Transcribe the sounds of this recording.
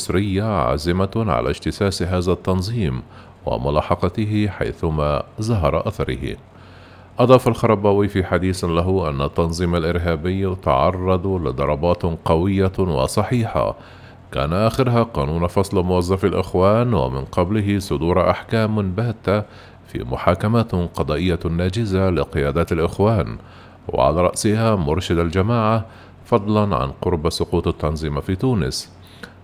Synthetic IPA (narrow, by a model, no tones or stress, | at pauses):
ʊsɾɪjːaʕa̰zɪmaʕa̰la̰ʃt̪ɪsaːsɦaːðat̪ːɑnzˤiːm | wa̰mʊlɑːħɑqɑt̪ɪɦɪħa̰jθʊmaːzaɦɑɾˤɑʔaθɑɾˤɪ̰hɪ̰ | ʔɑd̪ˤɑːfalxɑɾˤɑbaːwiːfiːħad̪iːθlaɦʊʔa̰nːat̪ːɑnzˤiːmalʔɪɾɦaːbɪjːt̪ɑʕɑrˤːɑd̪ˤlɪd̪ˤɑɾˤɑbɑːt̪qɑwɪjːawɑ̰sˤɑħiːħa̰ | ka̰ːnaʔaxɪɾɦaqɑːnuːnfɑsˤlmʊwazˤːafalʔɪxwaːnwa̰mɪ̰nqɑblɪɦɪsˤʊd̪uːɾʔaħkaːmbaːt̪ːa | fḭːmʊħaːkamat̪qɑd̪ˤɑːʔɪjːanːaːd͡ʒɪzalɪqɪjaːd̪aːt̪alʔɪxwaːn | wɪ̰ʕa̰laːɾˤɑ̰ʔsɪhamʊɾˤʃɪd̪ald͡ʒamaːʕa | fɑd̪ˤlɑnʕa̰nqʊɾbsʊquːt̪at̪ːɑnzˤiːmafiːt̪uːnɪ̰s